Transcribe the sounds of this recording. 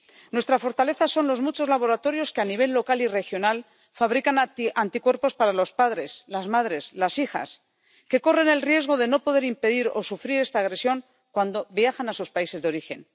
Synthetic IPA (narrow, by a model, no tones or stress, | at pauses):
nwe̞st̪ɾafo̞ɾt̪ale̞θaso̞nlo̞zmut͡ʃo̞zlaβo̞ɾat̪o̞ɾjo̞skeaniβ̞e̞lːo̞kalire̞xjo̞nal | faβɾikanant̪ikwe̞ɾpo̞spaɾalo̞spaðɾe̞slazmaðɾe̞slasixa̰s | ke̞ko̞re̞ne̞lrje̞zɣ̞o̞ðe̞no̞po̞ð̞e̞ɾimpe̞ðiɾo̞̰sufɾiɾe̞st̪aːɣɾe̞sjo̞ŋ | kwand̪o̞βjaxanasuspaise̞zðeo̞ɾixe̞n